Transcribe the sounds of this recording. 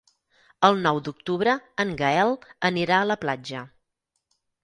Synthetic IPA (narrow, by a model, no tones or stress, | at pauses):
əlˠnɔwd̪uk̚t̪uβɾəəŋɡəɛlˠəniɾaələplad͡ʒə